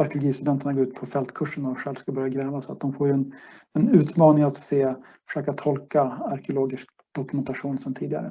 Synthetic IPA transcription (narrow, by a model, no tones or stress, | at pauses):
aɾkɪlɔɡiːst̪ɵd̪ɛnt̪əɳaɡoːɾʉ̟t̪pʰɔfɛlt̪kʰɵʂːəɳædɔmɧɛlvskabœɾjaɡɾɛːvasɔa̰t̪̚d̪ɔmfoːɾjɵɛnɛnʉ̟ːt̪mɑːnɪŋat̪seː | fœ̥ʂøːkat̪ʰɔlkaaɾkɛʊloːɡɪʂk̚ | d̪̥ɔkɵmɛnt̪aɧuːnsɛnt̪ʰiːd̪ɪɡa̰ɾə